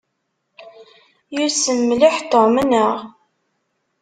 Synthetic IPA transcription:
jʊsəmːlɪħt̪ːomənəʁ

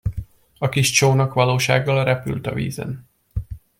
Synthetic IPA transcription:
ɒkiʃt͡ʃoːnɒkʋɒloːʃa̰ːɡːɒlrɛpy̰lt̪ɒvḭːzɛ̰n

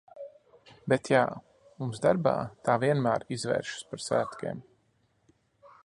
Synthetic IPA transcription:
bet̪ja | mumsd̪aɾba̰ːt̪aːviɛnmæːɾizvɛ̰ːɾʃu̥spaɾsæ̰ːt̪kʲḛːm

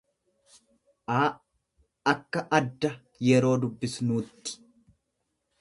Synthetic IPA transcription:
ʔaː | ɐkːɐʔɐd̪ːɐ | jɛɾo̞ːd̪ʊbːɪsnuːt̪ːɪ̥

